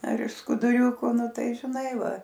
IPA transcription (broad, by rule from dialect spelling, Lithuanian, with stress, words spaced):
ɐr ɪʃ skʊdʊˈrʲʊkʊ ˈnʊ ˈtɐɪ ʒʲɪˈnɐɪ ˈʋɐ